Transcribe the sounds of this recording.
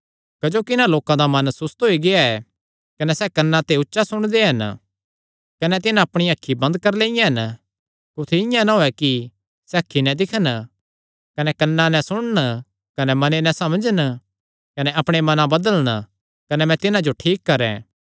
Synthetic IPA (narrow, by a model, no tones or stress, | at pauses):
kɐd͡ʒoːkɪnãloːkãd̪amɐnsʊst̪ɦoiɡɪaɛ | kɐnɛsɛkɐnːãt̪eʊtːʃasʊɽ̃d̪eɦɐn | kɐnɛt̪̬ɪnãɐpɽ̃iɐkʰːibɐ̃nd̪kɐɾleːɪjãɦɐn | kʊt̪ʰeɪjãnaɦoɛki | sɛɐkʰːinɛ̃d̪ɪkʰən | kɐnɛkɐnːãnɛ̃sʊɽ̃ən | kɐnɛmɐnenɛ̃sɐmd͡ʒən | kɐnɛʔɐpɽ̃emɐnãbɐd̪ələñ | kɐnɛmɛ̃t̪ɪnãd͡ʒoʈʰiːkːɐɾɛ̰̃ː